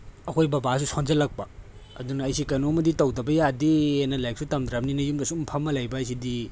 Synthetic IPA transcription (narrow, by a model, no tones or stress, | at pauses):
ɐkʰojbɐbas̬usʰond͡ʒɐlɐk̚pɐ | ɐ̰dunɐːjsikɐjnomɐditɐwdɐbɐjadienɐlajk̚sutɐmdɾɐmninɐjumdɐsumpʰɐmːɐlajbɐɐjs̬idi